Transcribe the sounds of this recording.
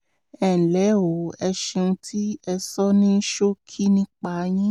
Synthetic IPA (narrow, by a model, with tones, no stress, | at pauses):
ɛ˨lɛ˨˦o˨˦ɛ˧ʃe˧nũ˧tʰi˦ɛ˧sɔ˦nĩ˦ʃo˦kʰi˦nĩ˦k͡pa˧˨˧j̃ĩ˦